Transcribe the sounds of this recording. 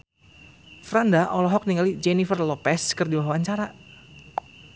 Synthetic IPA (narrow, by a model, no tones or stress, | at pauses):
fɾandaʔɔlɔɦɔk̚niŋɡalid͡ʒɛnifərlɔpɛskɨrdiwaɦwaaɲt͡ʃaɾa